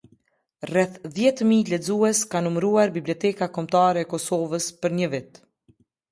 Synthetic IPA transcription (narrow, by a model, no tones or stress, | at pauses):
rɛθðjɛt̪milɛd͡zuɛskanumɾuaɾbibliɔt̪ɛkakɔmt̪aɾɛːkɔsɔvəspəɾɲəvit̪